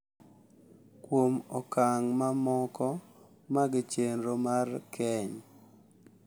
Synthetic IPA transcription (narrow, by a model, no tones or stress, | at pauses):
kwomɔkaŋmamɔkɔ | maɡɪt͡ʃenɾomarkʰɛɲ